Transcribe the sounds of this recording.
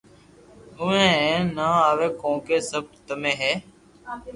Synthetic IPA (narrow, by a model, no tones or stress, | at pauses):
ʊʋẽːẽːnaːaːʋeːkõːkeːsəb̚ʈt̪əmẽːɦɛː